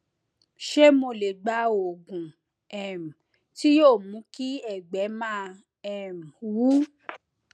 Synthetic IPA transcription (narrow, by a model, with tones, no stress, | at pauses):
ʃe˦mo˧le˨ɡ͡ba˨˦o˨ɡũ˨ | ɛ˨m̩˨ | ti˦joː˦˨mũ˨˦ki˦ɛ˦˨ɡ͡bɛ˨˦mãː˦˧ | ɛ˨m̩˨wu˨˦